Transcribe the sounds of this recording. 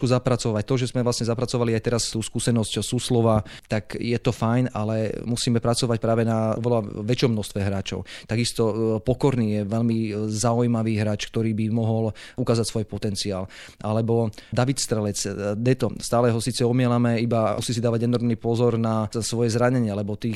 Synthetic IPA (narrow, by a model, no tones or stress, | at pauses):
kuzapɾat͡sɔʋac̚t̪ɔʒɛzmɛvlasɲɛzapɾat͡sɔʋaliajt̪ɛɾast̪uːskusɛnɔscsuːslɔʋat̪akjɛt̪ɔfajnalɛmusiːmɛpɾat͡sɔʋac̚pɾaːʋɛnaɔʋɛlaʋɛt͡ʃɪɔmnɔʃst̪ʋɛɦɾaːt͡ʃɔ̰ʊt̪aɡist̪ɔpɔkɔɾniːjɛʋɛlmizaujmaʋiːɦɾaːt͡ʃkt̪ɔɾiːbimɔɦɔlukaːzacsʋɔjpɔt̪ɛnt͡sia̰ːl | alɛbɔd̪aʋit̪st̪ɾɛlɛt͡sd̪ɛt̪ɔst̪aːlɛɦɔsiːt͡sɛɔmɪɛlamɛibausiːsid̪aːʋaɟɛnɔɾmnipɔzɔɾnasʋɔjɛzɾaɲɛɲɪaalɛbɔt̪iː